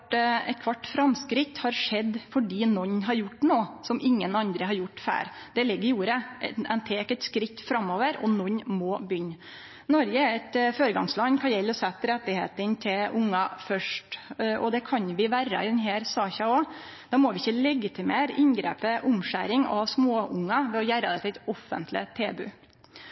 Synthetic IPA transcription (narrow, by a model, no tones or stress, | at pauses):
ɛ̰t̪̚kʰʋɑʈːfɾɑmskɾɪt̪hɑɾʂɛd̪fɔɖiːnɔɲːɦɑɾjʊʈːnoːsɔmʔɪŋːənɑnd̪ɾəɦɑɾjʊʈːfæ̰ːɾd̪̥ɛlɪɡːəɾjuːɾəɛnt̪ʰeːkɛt̪skɾɪt̪ːfɾɑmːoːʋəɾɔnɔɲmɔːbʏnː | nɔɾɡəæɾɛt̪føːɾəɡɑŋslɑnːkʰɑnjɛlːɔsɛt̪ːɾɛt̪ːɪhḛːt̪ənt̪ʰɪlʔʊŋːɑfœʂʈʔɔ̰d̪ɛkʰɑnʋɪʋæɾːə̰ɪd̪ɛnɦæːɾsɑːçɑɔ | d̪̥ɑmɔʋɪɪçːəlɛɡɪt̪ʰɪmeːɾɪ̰nɡɾḛːpəʔʊmʂæ̰ːɾɪŋɑ̰ʋsmoːʊŋːɑʋɛɔjæːɾəd̪ɛt̪ɛt̪ɔfːə̰nt̪ʰlɪ̰t̪ʰeːbʉ̰ː